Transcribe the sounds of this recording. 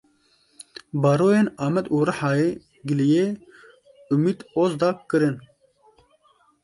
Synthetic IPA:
bɑːɾoːjeːnɑːmɛd̪uːɾɨħɑːjeː | ɡɨlijeː | umiːd̪oːzd̪ɑːkkːɨɾɨn

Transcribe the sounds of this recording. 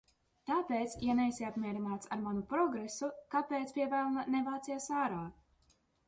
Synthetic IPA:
t̪aːpeːt̪sjanɛjsiapmʲiɛɾinaːt̪saɾmanupɾɔɡɾesukapeːt̪sʲpʲiɛvæːlˠnanɛvaːt̪sijasaːɾaː

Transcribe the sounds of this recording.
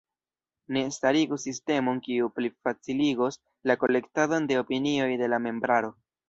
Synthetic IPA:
ne̞staɾiɡusiste̞mo̞nkiuplifat͡siliɡos | lako̞le̞ktado̞nde̞opinio̞jde̞lame̞mbɾaɾo̞

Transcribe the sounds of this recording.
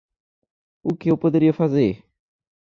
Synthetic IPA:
ʊkɪewpod̪eɾiɐfazeɾ

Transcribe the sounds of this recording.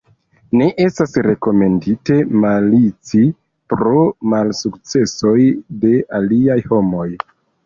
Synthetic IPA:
ne̞ʔe̞stasɾe̞ko̞me̞ndite̞malit͡si | pɾo̞malsukt͡se̞so̞jde̞ʔaliajho̞mo̞j

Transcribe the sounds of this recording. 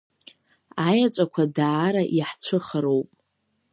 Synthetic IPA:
ajat͡ʃʷʼakʷʰadaːɾaʔiħt͡sʷʰɨχəɾowpʼ

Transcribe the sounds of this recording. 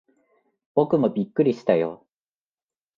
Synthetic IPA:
b̥o̞kɯ̟mo̞bʲikːɯɾʲiɕi̥t̪ajo̰

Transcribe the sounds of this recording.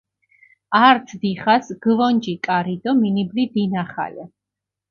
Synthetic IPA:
aɾt̪sʰd̪iχasɡ̥vɔnd͡ʒikʼaɾid̪ɔminiblid̪inaχa̰lɛ

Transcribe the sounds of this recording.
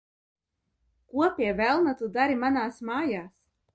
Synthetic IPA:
kuɔpʲiɛvælˠnat̪ud̪aɾimanaːsmaːjaːs

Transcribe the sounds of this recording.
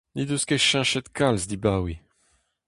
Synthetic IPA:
nid̪uskeʃɛ̃ʃɛt̪kʰalzd̪ibawi

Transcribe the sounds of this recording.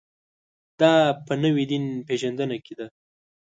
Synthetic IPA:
d̪̥ɑpənəwid̪inpeʒand̪ənaked̪a

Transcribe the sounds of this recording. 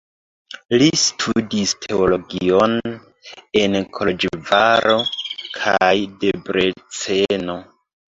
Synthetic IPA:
listʰudistʰe̞olo̞ɡio̞n | e̞nkʰolod͡ʒvaɾo̞kʰajde̞bɾe̞t͡se̞no̞

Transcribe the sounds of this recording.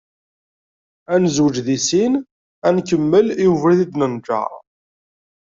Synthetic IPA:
ænzwəd͡ʒðisin | ænkəmːəljuvəɾðid̪nənd͡ʒa̰

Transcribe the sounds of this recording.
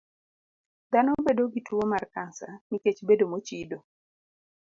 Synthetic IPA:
d̪anɔbedoɡitwomarkansaniket͡ʃbedomot͡ʃido

